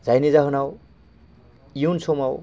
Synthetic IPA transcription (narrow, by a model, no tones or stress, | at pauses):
d͡zajnid͡zaɦunaw | junsʰomaw